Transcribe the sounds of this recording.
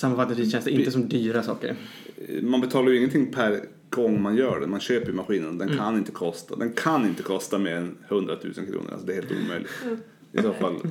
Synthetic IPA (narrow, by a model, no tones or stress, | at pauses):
samːafat̪ːat̪ɪɕɛnst̪əɾɪnt̪əsɔmd̪yːɾasɑ̰ːkə̰ɾ | manbɛt̪ʰɑːlaɾjʏɪŋːənt̪ʰɪŋːpʰæɾ | ɡ̥ɔŋːmanjœːɖɛmanɕøːpəɾjʏmaɧiːnənd̪ɛnkʰanɪnt̪ə̥kʰɔst̪a̰d̪ɛnkʰanːɪnt̪əkʰɔst̪ameːɾɛnhɵnd̪ɾat̪ʰʉ̟̰ːsə̰nkʰɾṵːəɾa̰sɔd̪ɛɾheːlt̪ṵːmœʏlʔɪɡt̪ | ɪsoːfalː